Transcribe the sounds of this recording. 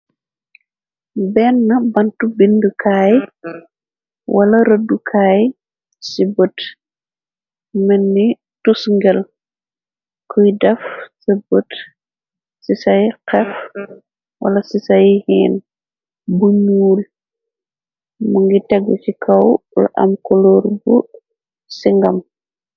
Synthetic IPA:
bɛnːɐbɐntubindəkʰaːj | wɐlɐɾədːukʰaːj | sibət | mɛnːi | tusŋɡɛl | kʰujdɛfsibət | sisɐjqɛf | wʔɐ̰lɐsisɐjhɛːn | buɲuːl | muŋɡitɛɡːucikʰɐwlʔɐ̰mkɔlɔːrbu | siŋɡɐm

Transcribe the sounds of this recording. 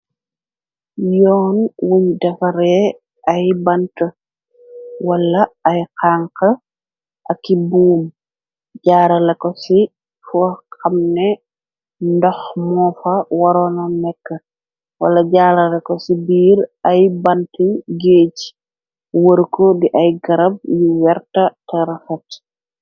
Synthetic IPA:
jɔːnwuɲdɐfɐɾɛ | ɐjbɐntə | wɐlːɐɐjqaːŋkɐ | ʔɐkːibuːm | ɟaːɾɐlɐkosi | fuxɐmnɛ | ndɔxmɔːfɐwɐɾɔnɐmɛkːɐ | wɐ̰lːɐɟaːɾɐlɐkɔsibiːɾɐjbɐntiɡeːc | wəɾkɔdiʔɐjɡɐɾɐb̚juwɛɾtɐtɛɾɐfɐt

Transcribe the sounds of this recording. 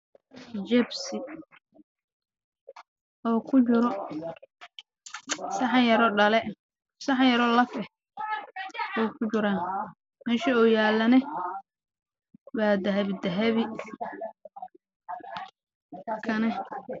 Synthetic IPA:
d͡ʒɛbsɪ | ʔɔːkʰʊt͡ʃʊɾɔ | sɐħɑjɐɾɔɖɐlɛ | sɑħɑjɐɾɔlɐfɛ | wɛjkʰʊt͡ʃʊɾaːn | mɛːʃiɔːjaːlɐnɛ | waːd̪ɐɦɐβd̪ɐɦɐβɪ | kʰɐnɛ

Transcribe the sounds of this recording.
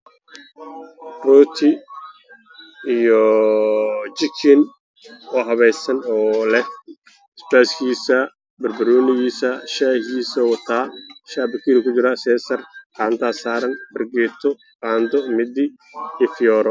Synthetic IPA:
rɔːt̪ʰɪ | ijɔ | t͡ʃɪkʰɪn | ɔːɦɐβɛjsɐnɔːlɛh | sbɛːskʰiːsɐ | bɐrbɐɾɔːnɪɣiːsɐʃahiːsɔwɐt̪ʰaːʃaːbɐkʰiːɾɪkʊt͡ʃɪɾɐsɛːsɐrqaːnt̪ʰaːsaːɾɐnbɐrɡɛːt̪ʰɔ | qaːnd̪ɔmɪd̪ɪ | ifɪjɔːɾɔ

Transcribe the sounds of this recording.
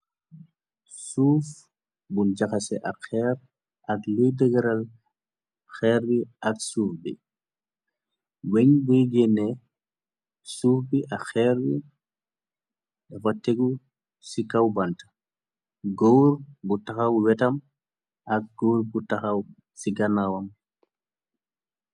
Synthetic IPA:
suːf | bund͡ʒaxasɛ̰ʔaxɛɾ | ʔɐklidəɡɛɾɐl | xɛɾbiʔɐksuːfbḭ | wɛɲbuiɡɛnɛ | suːfbiʔaxɛːɾbi | ɗɐfɐtːɛɡu | sikawbantḁ | ɡowɾbutaxɐwwɛtɐm | ʔɐk̚ɡowɾbutaxɐw | siɡɐnawɐm

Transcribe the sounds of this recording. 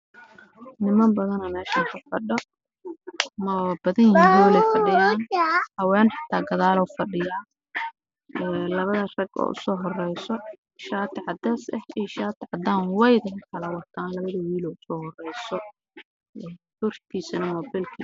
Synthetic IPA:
nɪmɐmbɐðɐnɐmɛːʃaːŋkʰɐfɐɖɔ | mɐbɐðɐnjɪhiːnuːlɛjfɐɪjanhɐwɛːnħɑ̥t̪ʰaːɡɐðaːlɔwfɐɖɪjaː | ɛːlɐβɐðɐrɐɡɔ̰ːʔʊ̰sɔːɦɔrɛjsɔ | ʃaːt̪ʰɪʕɑd̪ɛːsɛhiːʃaːt̪ʰɪʕɑd̪aːnwɛjðɐɦɐkʰɐlɐwɑt̪ʰaːnlɐβɐðɐwiːlɔːʊsɔːhɔrɛjsɔ | ɛhʊrk̪ʰiːsɐnɐmɔːbɛlkʰi

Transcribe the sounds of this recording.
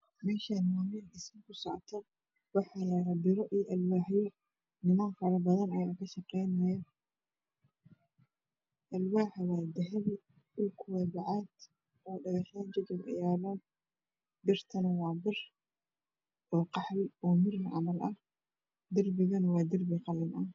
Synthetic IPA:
mɛːʃɐnmaːmɪɪsmɪkʰʊsɔʕt̪ʰɔ | wɑħɑlɐbɪɾɔʔiːʔɐlwaːħjɔ | nɪmaːnfɐɾɐbɐðɐnɐjaːkʰɐʃɐqɛjnɐjɐ | ʔɐlwaːħwaːd̪ɐɦɛl | ʊlkʰʊwɛːbɑʕaːd̪ | ɔːɖɐɣɛxand͡ʒɐd͡ʒɪlɐ̰jaːlɐd̪ | bɪrt̪ʰɐnɐwɑːbɪr | ʔɔːqɑħlɪɔːmɪrnʕɑmɐlɐh | d̪ɐrbɪɣɐnwɑːd̪ɐrbɪqɑlɐnʔɐ

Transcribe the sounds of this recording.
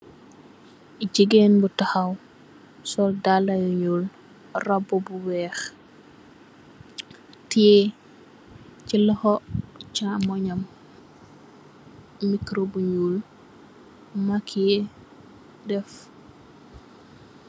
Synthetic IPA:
ɟiɡenbutaxɐw | sɔldalːɐjuɲul | rabːɔbuwɛːx | tie | cilɔxɔt͡ʃamɔɲam | mikɾobuɲul | makʰie | dɛf

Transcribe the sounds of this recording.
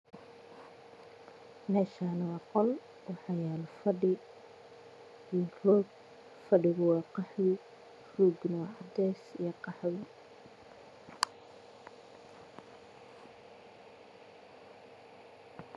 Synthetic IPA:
mɛːʃaːnɐwɑːqɔl | wɑħɑjaːlfɐɖɪ | rɔːɡ | fɐɖɪɣʊwɑːqɑħðɪ | ruːɡnɐwɑʕɑd̪ɛːsḭjɐqɑħðɪ

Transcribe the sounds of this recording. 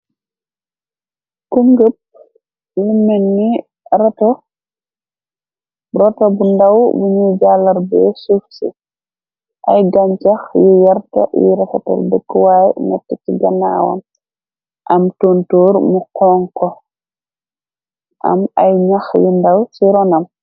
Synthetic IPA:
kuŋɡəp̚ | jumɛnːi | ɾɛtɔ | ɾɔtɐbundɐwbuɲud͡ʒaːlːɐrbɛsufsḭ | ʔɐjɡaɲt͡ʃɐxjujɐrtɐ̰jḭɾɛfɐtɔ̰ldɛkːwaːjnɛtːɛciɡɐna̰ːwɔ̰n | ʔɐmtontoːrmuqɔːŋkɔ | ʔɐ̰mɐ̰jɲɐxjundawsiɾɔnɐm

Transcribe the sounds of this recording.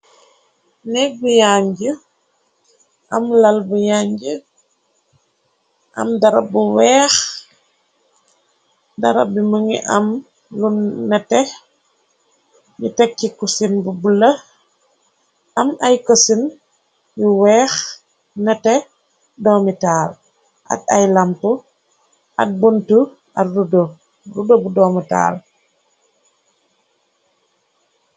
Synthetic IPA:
nɛk̚bujaːɲɟə | ʔɐmlɐlbujaːɲɟə | ʔɐ̰mdɐɾɐbuwɛːx | dɐɾɐ̰biməŋḭʔɐm | lunːɐtɛ | mitɛkːikusinbubulɐ | ʔɐmajkosin | juwɛːx | nɛtɛ | dɔːmitaːl | a̰tajlampu | ʔa̰t̚buntu | atrudo | rudobudɔːmita̰ːl

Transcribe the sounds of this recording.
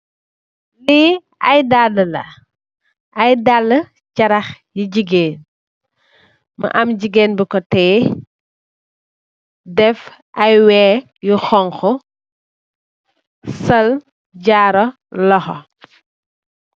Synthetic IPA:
li | ɐjdalːəlɐ̰ | ɐjdalːə | cɐɾɐxjiɟiɡeːn | mɐ̰ʔɐmɟiɡeːnbikɔtɛː | dɛf | ʔɐjwɛː | juxɔŋxɔ | sɐl | ɟaːɾɔ | lɔxɔ̰

